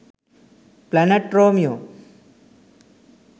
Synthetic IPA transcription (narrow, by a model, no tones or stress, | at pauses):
planeʈɾoːmjo